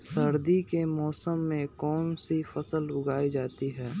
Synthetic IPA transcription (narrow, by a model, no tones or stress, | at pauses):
səɾd̪ikemɔːsəmːẽkɔːnsifɐsəlʊɡaːid͡ʒaːt̪iɦɛː